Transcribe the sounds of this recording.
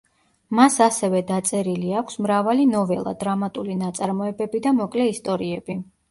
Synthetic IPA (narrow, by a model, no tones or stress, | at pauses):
masasɛvɛd̪at̪sʼɛɾiliakʷʰsmɾavalinɔvɛlˠa̰d̪ɾamat̪ʼulinat̪sʼaɾmɔɛbɛbid̪amɔkʼlɛist̪ʼɔɾiɛbi